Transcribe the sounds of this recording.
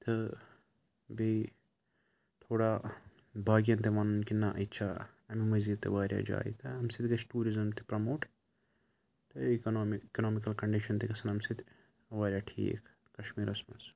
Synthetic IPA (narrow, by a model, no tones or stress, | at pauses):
t̪ʰɨ | be | t̪ʰoːɽaː | baːɡijɐnt̪eʋaːnunkinaʔɐtːʃʰaɐmimɐziɐd̪ḛʋaːɾja̰ːd͡ʒa̰ːḭt̪ʰɐɐmsit̪ʲɡɐsʈuːɾizɐmt̪e̥pɾɐmoːʈ | t̪ɨiknoːmikɐnoːmikɐlkɐɳɖiʃɐnt̪eɡɐsɐnɐmsit̪ | ʋaːɾʲjaːʈʰḭːk | kɐʃmiːɾɐsmɐ̰ns